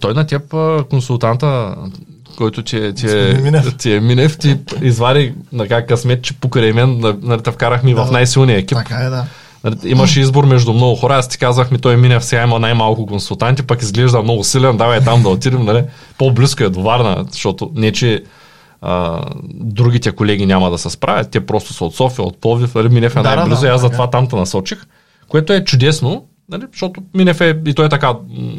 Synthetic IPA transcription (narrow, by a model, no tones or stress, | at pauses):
t̪ɔjnɐt̪ʲɛpəkonsulˠt̪ant̪ə | kɔjt̪ʊt̪ʲiɛt̪iɛt̪iɛminɛft̪iizvaɾinɐkakɐsmɛt̪t͡ʃɛ̥pokɾɛjmɛnnɐnɐlit̪ɐfkaɾɐxmivɐfnajsilˠnijɐɛkʲip̪ | nɐliimɐʃɛizboɾmɛʒd̪ʊmnɔɡʊxɔɾɐast̪i̥kazvɐxmit̪ɔjminɛfsɛɡaimɐnajmalˠkʊkonsulˠt̪ant̪ipɐkizɡlɛʒd̪ɐmnɔɡʊsilɛnd̪avɐjt̪amd̪ɐot̪iɾimnɐli | pobliskoɛd̪ovaɾnɐ̰zʃt̪ɔt̪onɛt͡ʃɛ | ə̰ | d̪ɾuɡʲit̪ɛkolɛɡʲinʲamɐd̪ɐsɛspɾʔavʲɐt̪t̪ːʲiɛpɾɔst̪ʊ̥sɐot̪sɔfijɐo̰t̪̚pɔvifnɐliminɛfɛnajblioiaszɐt̪ovat̪amt̪ɐnɐsɔt͡ʃix | koɛt̪oɛt͡ʃʊd̪ɛsno | nɐliʃt̪ɔt̪ʊminɛfɛit̪ɔɛt̪ɐka